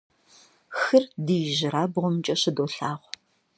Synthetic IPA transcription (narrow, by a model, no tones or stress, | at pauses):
xɨrdijʒɪɾaːbʁʷɔmt͡ʃʼɐɕɪdoːɬaːʁʷ